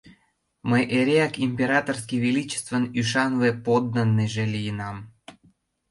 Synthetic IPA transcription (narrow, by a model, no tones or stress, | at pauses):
məjʔeɾeɑkimʲpʲeɾɑt̪orskiβilit͡ɕe̥st̪vənyʃɑnvepod̪nənːeʒelijənɑm